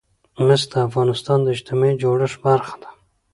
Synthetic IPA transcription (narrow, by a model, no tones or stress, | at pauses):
mɪsd̪əafɣɑnɪst̪ɑnd̪əɪd͡ʒt̪ɪmɑid͡ʒoɽəʂbaɾxḁd̪̥ḁ